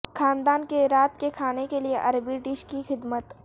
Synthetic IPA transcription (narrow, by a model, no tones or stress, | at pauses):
xʰaːnd̪aːnkeɾaːt̪kekʰaːnekelieʔɐɾbiɖɪʃkixɪd̪mət̪